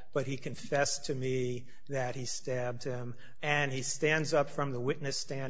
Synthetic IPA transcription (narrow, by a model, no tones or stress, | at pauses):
b̥ʌt̚hikʰɨ̃ɱfɛstʰɨmi | ðɨt̚histæb̚d̚ɪ̃m | ɨ̃nistæ̃ndzʌpfɹʌ̃mðəwɪtⁿnɨstæ̃